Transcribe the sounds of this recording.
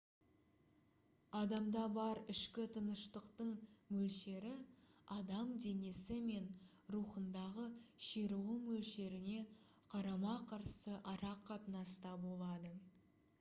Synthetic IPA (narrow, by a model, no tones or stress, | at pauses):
ɑd̪ɑmd̪ɑbɑɾɪʃkʲɪt̪ʰənəʃt̪əqt̪əɴmɵlʃe̞ɾɪɑd̪ɑmd̪e̞ne̞sɪme̞n | ɾuχənd̪ɑʁəʃeɾuwəmɵlʃe̞ɾɪne̞ | qʰɑɾɑmɑqʰɑɾsəʔɑɾɑqʰːɑt̪ənɑst̪ɑbo̞lˠɑd̪ə